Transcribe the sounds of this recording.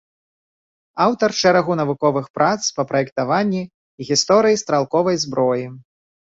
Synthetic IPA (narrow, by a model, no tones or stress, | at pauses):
awt̪ɐrʂɛɾaɣunɐvukɔvɨxpɾʔat̪spɐpɾɐɛkt̪avanʲːi | ɣʲist̪ɔɾɨjist̪ɾalˠkɔvɐjzbɾɔji